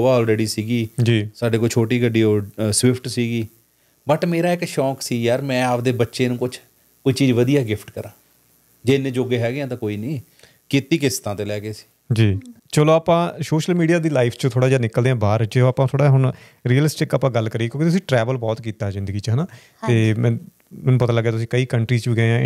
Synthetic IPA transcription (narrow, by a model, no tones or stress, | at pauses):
aːɔːlɾɛːɖiːsiːɡiːd͡ʒiːsaːɖeːkoit͡ʃʰoːʈiːɡəɖiːosʋɪpʰʈsiːɡiː | bəʈmeːɾaːɪkʃɔːksiːjaːɾmɛ̃ːapd̪eːbətːʃeːnũːkʊt͡ʃʰ | koːiːt͡ʃiːd͡ʒʋəd̪ijaːɡɪpʰʈkəɾãː | d͡ʒeːɪnːẽːd͡ʒoːɡeːɦɛːɡeãːt̪ãːkoːiːnəĩː | kit̪iːkɪst̪ãːt̪eːlɛːɡeːsi̥ː | d͡ʒiː | t͡ʃəloːaːpãːsoːʃəlmiːɖijaːd̪iːlaːipʰt͡ʃət̪ʰoːɽaːd͡ʒaːnɪkəld̪eãːbaːɾt͡ʃeaːpãːt̪ʰoːɽaːɦʊɳ | ɾiːjəlɪsʈɪkaːpãːɡəlːkəɾiːekjõːkit̪ʊsĩːʈɾɛːʋəlbɔːt̪kiːt̪aːd͡ʒɪnd̪əɡiːt͡ʃɦənaː | t̪eːmɛ̃ː | mɛːnũːpət̪aːləɡːjaːt̪ʊsĩːkəiːkəɳʈɾiːt͡ʃbiːɡəãː